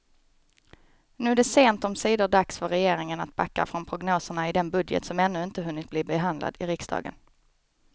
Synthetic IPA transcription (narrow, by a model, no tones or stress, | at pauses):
nʉːæɖɛseːnt̪ɔmsiːd̪ʊɖaksfœɾɛjeːɾɪŋənat̪̚bakːa̰fɾɔnpʰɾʊɡnoːsəɳaɪd̪ɛnbɵd̪jə̰t̪sɔmɛnːɵɪnt̪əɦɵnːɪt̪̚bliːbɛɦand̪la̰d̪ɪɾɪksd̪ɑ̰ːɡə̰n